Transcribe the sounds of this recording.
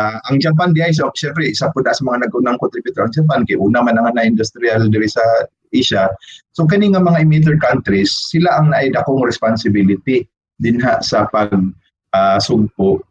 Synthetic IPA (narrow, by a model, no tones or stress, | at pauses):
aʔaŋd͡ʒapand̪ɪʔajs̬akʃɛmpɾɛʔɪsapʊd̪aʔansɐmɐŋanɐɡʊnaŋkʊnt̪ɾɪbjut̪oɾaŋd͡ʒapankajʔuːnamanaŋanaʔɪnd̪ʊst̪ɾiald̪ɪɾɪsa | ʔɪʃasok̬anɪŋamɐŋaɪmit̪̬ɛɹkant̪ɾisːɪlaʔaŋnaʔajd̪akoŋɾɛspansɪbilɪt̪ɪ | d̪ɪnɦaʔsapaɡ̚ | ʔasʊɡ̚pʊʔ